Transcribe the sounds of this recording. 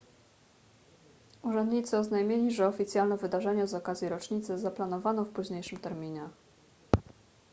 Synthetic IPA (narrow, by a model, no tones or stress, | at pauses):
uʐɛnd̪ɲit̪sɘɔznajmʲelʲiʐɛɔfʲit̪sʲjalnɛvɘd̪aʐɛɲɛzɔkazʲjiɾɔt͡ʂɲit̪sɛzaplan̪ɔvanɔfpuʑɲejʂɘmt̪ɛɾmʲiɲɛ